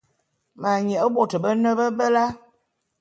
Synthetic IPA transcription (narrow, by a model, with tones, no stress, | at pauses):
ma˨ɲə˨ə˦bo˦˨tə˨bə˦nə˦bə˦bə˦la˦